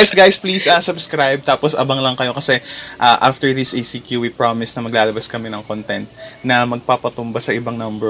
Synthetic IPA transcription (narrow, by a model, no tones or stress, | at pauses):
sɡajspliːsɐsɐbskɾajb̚t̪aːposʔɐbɐŋlɐŋkɐjo̞kɐsɛʔaʔaft̪ɛɹdðisʔejsikjuwipɹamɪsnɐmɐɡlaːlɐbɐskɐmɪnɐŋkont̪ɛnt̪̚nɐmɐɡ̚paːpɐt̪ʊmbasɐʔɪbɐŋnɐmbɛ